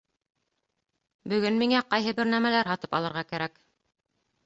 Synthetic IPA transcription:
bɵ̆ɡɵnmiŋæqɑjɦɤbɘɾnæmælæɾɦɑt̪ɤ̥pɑ̰lˠɤ̆ɾʁɑkæɾæk

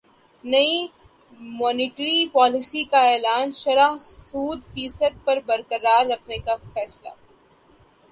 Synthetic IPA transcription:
nɐi | mɔːnɪːʈɾipɔːlɪsikaɛːlaːnʃɐɾaɦsuːd̪fiːsəd̪̚pɐɾbɐɾkəɾaːɾːɐkʰnekafɛːsla̰ː

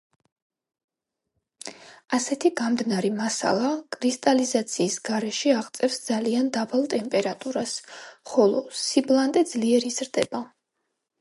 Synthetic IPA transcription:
asɛt̪ʰiɡamd̪naɾimasa̰lˠakʼɾist̪ʼalizat̪sʰiːsɡaɾɛʃiaʁt̪sʼɛfsd̪zaliand̪abalˠt̪ʼɛmpʼɛɾat̪ʼuɾasχɔlˠɔsiblˠant̪ʼɛd̪zliɛɾizɾd̪ɛba

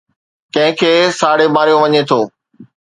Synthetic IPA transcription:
kɐ̃ɦɪ̃kʰeːsaːɽebaːɾijõʋɐɲet̪ʰoː

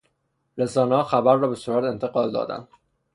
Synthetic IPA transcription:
ɾesɒːnɒːxæbæɾːɒːbe̞suːɾæt̪e̞nt̪ʰeɡɒːld̪ɒ̰ːd̪æ̰nd̪̥

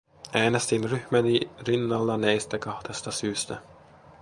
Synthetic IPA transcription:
ʔæːnest̪inryhmænirinːɑlːɑnæjst̪ækɑht̪est̪ɑsyːst̪æ

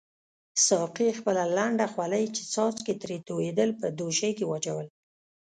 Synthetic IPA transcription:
sɑqixpəlalaɳɖaxwaləjt͡ʃe̥t͡sɑt͡sket̪ɾet̪owed̪əlpəd̪oʃəjkewat͡ʃawəl

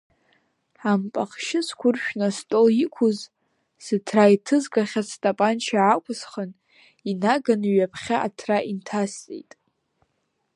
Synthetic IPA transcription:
ampʼaχʃɪskʷʰʊrʃᶣnastʼolikʷʰʊz | sɨtʰraitʰɨzɡʼaχʲasʰtʼapʼant͡ʃʰaʕakʷʰʼʊsχən | inaɡanɥapʰχʲaʔa̰tʰraʔintʰast͡sʼḭjtʼ

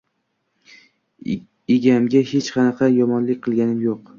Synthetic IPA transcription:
ɪɡʲamɡʲahe̞t͡ʃqʰɑnɑqʰɑjɒmɒnlɪk̚ʲqʰɨlˠɡʲanɪmjoq

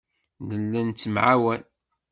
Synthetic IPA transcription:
ðəlːənt͡sːəmʕawæn

